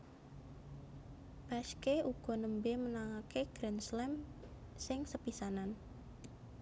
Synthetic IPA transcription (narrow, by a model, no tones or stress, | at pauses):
b̥askeuɡ̥ɔ̤nəmbemənaŋakeɡ̥ɾɛnslɛmsɪŋsəpisanan